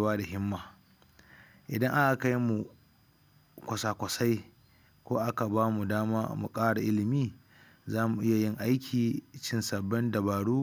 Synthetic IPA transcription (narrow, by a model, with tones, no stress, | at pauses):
waː˦da˨ɦɪ˦mːaː˨ | ʔɪ˨dɐ˦ŋʔa˦ʔa˨ka˦jmu˨ | kʷɐ˨sa˨kʷɐ˨sa˦j | kʷoː˦ʔa˦ka˨baː˦mu˨daː˦maː˦mṵ˨kʼaː˦ɽa˨ʔɪ˦lɪ˨miː˦ | zaː˦mu˨ʔɪ˦ja˨jɪ˦ŋʔa˦jkʲʰiː˨t͡ʃɪ˦nsɐ˨bːɛ˦ndɐ˨baː˨ɽuː˦